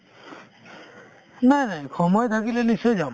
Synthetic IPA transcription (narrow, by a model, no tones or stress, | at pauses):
najnajkʰɔmɔjt̪ʰakilɛnisɔjd͡ʒam